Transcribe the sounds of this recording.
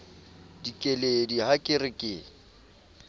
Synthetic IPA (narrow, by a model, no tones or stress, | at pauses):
dikʼelediɦakʼɪrɪkʼɪ